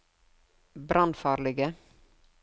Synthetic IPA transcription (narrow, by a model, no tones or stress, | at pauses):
bɾʔɑnfɑːɾlɪɡə